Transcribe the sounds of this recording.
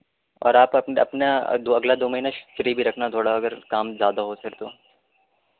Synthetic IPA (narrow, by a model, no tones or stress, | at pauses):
ɔ̰ːɾaːpɐpnɐ̰pna̰d̪oːɐɡlad̪oːmɐɦinaʃɾibʱiɾɐkʰnat̪ʰoːɽaɐɡəɾkaːmzjaːd̪aɦosɐɾt̪oː